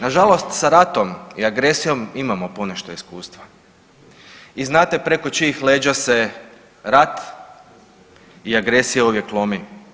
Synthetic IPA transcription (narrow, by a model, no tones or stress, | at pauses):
naʒalˠo̞st̪saɾat̪o̞mḭaɡɾe̞sijo̞mimamo̞poneʃt̪oiskuːst̪ʋa | iznaːt̪e̞pɾeko̞t͡ʃiixleːd͡ʒase̞ | ɾat̪ | iaɡɾe̞sijeoʋje̞klˠomi